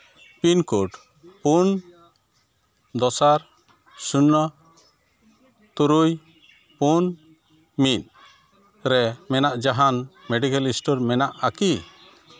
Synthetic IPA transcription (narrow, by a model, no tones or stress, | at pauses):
pinkuʈ | pun | d̪ɔsaɾ | sunːɔ | t̪uɾuj | pun | mit̪ | ɾɛmɛnaʔd͡ʒaɦanmɛɖikalisʈɔɾmɛnaʔaki